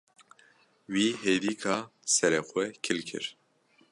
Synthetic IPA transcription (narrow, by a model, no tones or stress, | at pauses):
wiːɦeːd̪iːkʰaːsɛɾɛxʷɛkʰɪlkʰɨ̰ɾ